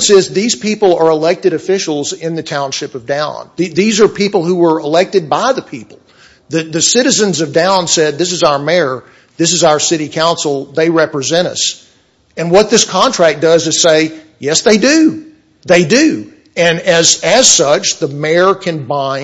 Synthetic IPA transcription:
sɪzðiz̥pʰipl̩ˠə˞əlɛk̚tɨɾɨfɪʃl̩ˠzɪ̃nðɨtʰãʊ̃nʃɪpʌvdãʊ̰̃nðiðizə˞pʰipl̩ˠhuwə˞əlɛk̚tɨd̚baɪðɨpʰipl̩ˠ | ðɨðɨsɪɾɨzɨ̃nzʌvdãʊ̃nsɛd̪̚ðɪs̬ɨzaʊə˞mɛɹ | ðɪs̬ɨzaʊə˞sɪɾikʰãʊ̃nsl̩ˠðeɪɹɛpɹɨzɛ̃ɾ̃ʌ̰s | ɨ̃nwʌt̪̚ðɪskʰɑ̃ntʰɹ̥æk̚d̥ʌzɨz̥seɪ | jɛsðeɪdʉ | ðeɪdʉ | ɨ̃nɨzɨz̥sʌt͡ʃðəmɛɹkʰɨ̃nbãɪ̃

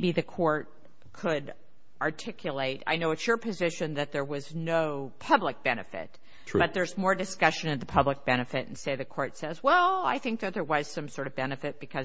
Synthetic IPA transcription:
biðɨkʰɔɹt̚ | kʰɨɾ | ɑɹtʰɪkʰjɨleɪɾa̰ɪnoʊɨtsə˞pʰɨzɪʃɨ̃nðɨt̪̚ðə˞wʌznoʊpʰʌblək̚b̥ɛnɨfɪ̰t̚ | b̥ʌt̪̚ðə˞zmɔɹdɨskʌʃɨ̃nɨ̃nðəpʰʌblək̚b̥ɛñɨfɪɾn̩seɪðɨkʰɔɹtsɛzwɛlˠa̰ɪθɪ̃ŋk̚ðɨt̪̚ðə˞wʌz̥sʌ̃msɔɹɾʌvbɛnɨfɨt̚b̥ɨkʰʌ

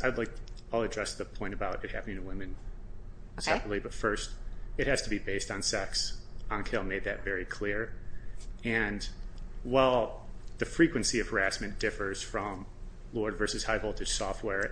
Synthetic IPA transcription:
aɪdˡlaɪk̚aɪlˠɨdɹɛsðɨpʰɔ̃ɪ̃ɾ̃ɨbaʊɾɨt̚hæ̰pnɪ̃ŋtʰəwɪ̃mɨ̃n | sɛpɹətˡlibʌtfɜ˞st̚ɨt̚hɨz̥tʰɨbibeɪstn̩sɛksɑ̃nkʰɪlˠmeɪd̪̚ðɨtvɛɹikʰl̥ɪɹ | ɨ̃n | wɛlˠðɨfɹikwɨ̃nsiʌv̥hə˞æsmɨ̃nd̥ɪfə˞z̥fɹʌ̃m | lɔɹdvɜ˞sɨz̥haɪvolˠtʰɨd̥sɔft̚wɛɹ

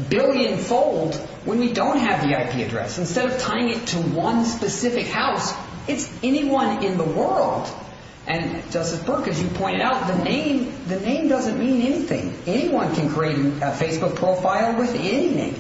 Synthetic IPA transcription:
bɪlˠjɨ̃nfoʊlˠd | wə̃nwidõʊ̃nt̚ɦɨvðiaɪpʰiɨ̰dɹɛ̰sɨ̃n̩stɛɾʌv̥tʰaɪɪ̃ŋɨtʰəwʌ̃nspɨsɪfɨkhaʊs | ɨtsɛniwʌ̃nɪ̃nðəwɜ˞lˠd̥ | ʔɨ̃nd͡ʒʌstɨzbɜ˞kɨzjɨpʰɔ̃ɪ̃ɾ̃ɨɾaʊt̪̚ðɨnẽɪ̃mðɨnẽɪ̃mdʌzɨ̃nmĩnɛniθɪ̰̃ŋɛñiwʌ̃nkʰɨ̃nkʰɹ̥ieɪɾɨ̃nfeɪsb̥ʊk̚pʰɹ̥oʊfaɪl̩ˠwɪðɛninḛ̃ɪ̃m

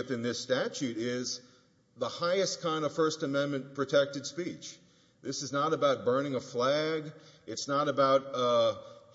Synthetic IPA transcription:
p̚θɨ̃nðɪstæt͡ʃʉɾɪz | ðəhaɪɨskʰãɪ̃ndʌv̥fɜ˞stɨmɛ̃nmɨ̃npʰɹ̥ɨtʰɛk̚tɨd̥spit͡ʃ | ðɪsɨznəɾəbaʊt̚b̥ɜ̃˞nɪ̃ŋəflæɡɨtsnəɾəbaʊt̚

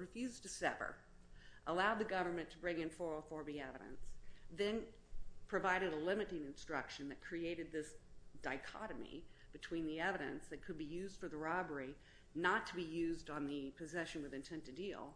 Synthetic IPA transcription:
ɹɨfjʉztʰɨsɛpə̰˞ | ʔəlaʊd̪̚ðɨɡʌvə˞mɨ̃ntʰəbɹɪ̃ŋɨ̃nfɔɹəfɔɹbiɛvɨɾɨ̰̃nsðɨ̃n | pʰɹ̥ɨvaɪɾɨɾəlɪ̃mɨɾɪ̃ŋɨ̃nstɹ̥ʌkʃɨ̃nðɨt̚kʰɹ̥ieɪɾɨd̪̚ðɪsd̥aɪkʰɑ̰ɾɨmḭb̥ɨtʰw̥ĩnðiɛvɨɾɨ̰̃nsðɨt̚kʰɨd̚bijʉzd̥fə˞ðəɹɑbə˞i | nətʰəbijʉzdn̩ðɨpʰɨzɛʃɨ̃n̩wɨðɨ̃ntʰɛ̃ntɨdilˠ

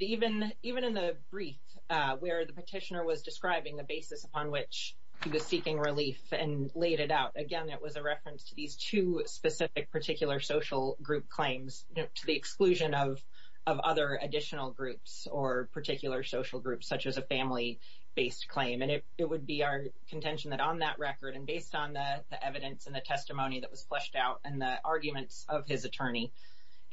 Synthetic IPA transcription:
ivɨ̃n | ivɨ̃ñɨ̃nðɨbɹiθ | wə˞ðɨpətʰɪʃɨnə˞wʌzdɨskɹaɪbɪ̃ŋðɨbeɪsɨsəpʰɑ̃nwɪt͡ʃ | hiwʌz̥sikɪ̃ŋɹɪlifɨ̃nleɪɾɨɾaʊɾɨɡɛ̃nɨʔ̚wʌzɨɹɛfɹɨ̃nstʰɨðiz̥tʰʉspɨsɪfɨk̚pʰə˞tʰɪkjl̩ˠə˞soʊʃl̩ˠɡɹʉp̚kʰl̥ẽɪ̃mz̥ | tʰɨðiɨksklʉʒɨ̃nʌv | ʔʌvʌ̰ðə˞ɨdɪʃnl̩ˠɡɹʉps | ə˞pʰə˞tʰɪkʰjl̩ˠə˞soʊʃl̩ˠɡɹʉpsʌt͡ʃɨzɨfæ̃mli | b̥eɪskʰl̥ẽɪ̃mɨ̃nɨt | ɨt̚wəd̚biaʊə˞ | kʰn̩tʰɛ̃nʃn̩ðɨɾn̩ðəʔɹɛkə˞ɾɨ̃nbeɪstn̩ðəðiʔɛvɨɾɨ̃nsn̩ðɨtʰɛstɨmõʊ̃ñiðɨʔ̚wʌz̥flɛʃtaʊɾɨ̃nðiʔɑɹɡjɨmɨ̃ntsʌv̥ɪzɨtʰɜ̃˞ni

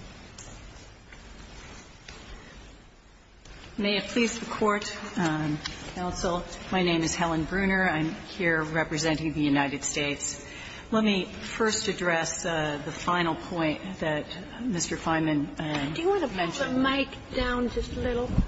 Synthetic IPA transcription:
meɪɨt̚pʰl̥izðɨkʰɔɹt | kʰãʊ̃nsl̩ˠmaɪnẽɪ̃mɨz̥hɛlˠə̃nbɹʉ̃nə˞ãɪ̃mhiɹɹɛpɹɨzɛ̃nɪ̃ŋðɨjʉnaɪɾɨd̥steɪts | lɛt̚mifɜ˞stɨdɹɛsðəfãɪ̃nl̩ˠpʰɔ̃ɪ̃nðɨt̚ | mɪstə˞fãɪ̃mɨ̃nd̥ɨjɨwɑ̃nəmɛ̃nmeɪk | d̥ãʊ̃nd͡ʒʌstlɪɾl̩ˠ

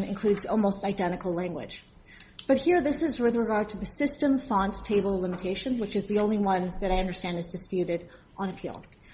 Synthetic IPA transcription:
nɨ̰̃nkʰl̥ʉdzɔlˠmoʊstaɪdɛ̃ɾ̃ɨkl̩ˠlæ̃ŋɡwɨ̰̥ʒ̥ | b̥ʌt̚hiɹðɪsɨzwɪθɹɨɡɑɹd̚tʰɨðɨsɪstɨ̃ɱfɑ̃ntʰeɪbl̩ˠlɪ̃mɨtʰeɪʃɨ̃nwɨt͡ʃɨzðiõʊ̃nliwʌ̃nðɨɾaɪʌ̃ndə˞stæ̃ndɨzdɨspjʉɾɪɾ | ʔnɨpʰḭlˠ

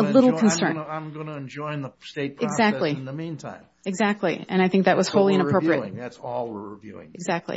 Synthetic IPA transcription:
əlɪɾl̩ˠkʰɨ̃n̩sɜ̃˞nãɪ̃mɡʌ̃nɨɨ̃nd͡ʒɔ̃ɪ̃nðəsteɪt̚pʰɨɡzæk̚tˡlinðəmĩntʰã̰ɪ̃m | ɨɡzæk̚tˡliɨ̃ɾ̃aɪθɪ̃ŋk̚ðɨʔ̚wʌz̥hoʊlˠiɨ̃ñəpʰɹoʊpɹiɨt̚ðætsɔlˠɹɹɪvjʉ̰ɪ̰̃ŋʔɨɡzæk̚tʰˡlḭ

